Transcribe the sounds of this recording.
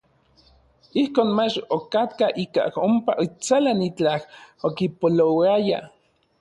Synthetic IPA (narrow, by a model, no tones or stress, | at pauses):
ihkoːnmat͡ʃokat̪kaʔika̰hompaʔit͡salanit͡ɬahokipolowaja